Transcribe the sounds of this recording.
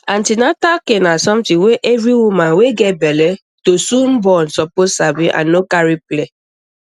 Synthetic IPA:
ãntinatakenasɔ̃mtĩweʔɛvɾiwumãnweɡɛt̚bɛlɛ | tosũnbɔnsɔpossabĩʔã̰nːokaɹiple

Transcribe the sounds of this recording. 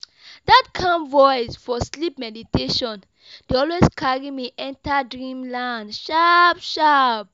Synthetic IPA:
datkʰãnvɔɪsfɔslipmɛditeʃɔ̃n | d̥eɔlweskʰaɹimiʔɛ̃ntadɹĩmlãndʃapʃap

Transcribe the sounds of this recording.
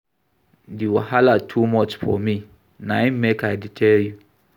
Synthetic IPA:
diwɔhalatʰumɔt͡ʃfɔ̰mĩ | nãɪ̃mekʰaɪdɪtʰɛlju

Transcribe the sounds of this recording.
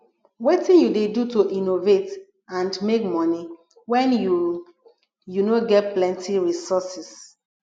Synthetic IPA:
wetĩnjudedutoʔinovet | ãndmekmɔni | wɛ̃nju | junoɡɛt̚plɛ̃ntʰiɹisɔsis

